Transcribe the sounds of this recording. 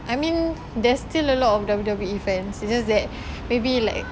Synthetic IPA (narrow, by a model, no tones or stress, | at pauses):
ʔajmĩn | dɛstiləlɔtɔfdabdabuifɛ̃nsid͡ʒasdɛt̚ | mebilaɪk